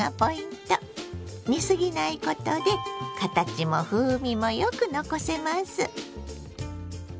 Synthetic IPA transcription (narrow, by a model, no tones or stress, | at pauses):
apo̞ĩnt̪o | mʲisɨɡʲinaiko̞t̪o̞d̪e̞kat̪at͡ɕimo̞ɸɯːmʲimo̞jokɯ̟no̞ko̞se̞masɨ